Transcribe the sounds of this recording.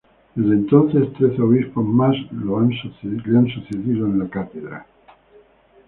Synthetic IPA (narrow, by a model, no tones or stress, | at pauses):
d̪ezðent̪o̞nθe̞st̪ɾeθoβispozmazloansθleansuθeðiðoenlakat̪eðɾa̰